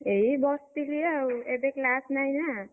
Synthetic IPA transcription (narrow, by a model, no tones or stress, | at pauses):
eɦibɔsp̪ilieed̪eklasnajna